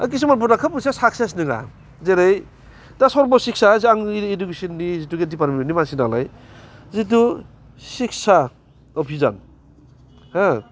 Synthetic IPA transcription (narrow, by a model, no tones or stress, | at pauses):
kis̬ɯŋmanp̬unakʰɯpusasakses̬nɯŋa̰ | zeɾɯj | dasɔɾbɔsiksʰaziaŋedukesinːizituɡedipaɾmienimasinala̰j | zit̬u | sik̚sʰa | ɔpʰiza̰n | ha